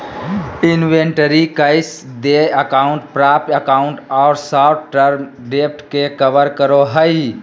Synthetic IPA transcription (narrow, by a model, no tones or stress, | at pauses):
ɪnʋeɳʈəɾikəɪsd̪eəkaʊɳʈpɾapəkaʊɳʈɔʊɾsaʈʈəɾmɖep̚ʰʈkekəʋəɾkəɾoɦəj